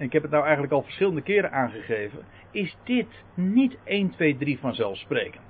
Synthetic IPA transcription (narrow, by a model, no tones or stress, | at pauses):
ɛnɪkɦɛpət̚nawɛjχəntləkɑlˠvə̥ɹsχɪləndəkɪːɾənʔaːnχəχejvən | ɪzdɪt | nitejntʋejdrivɑnzɛlˠfsprejkən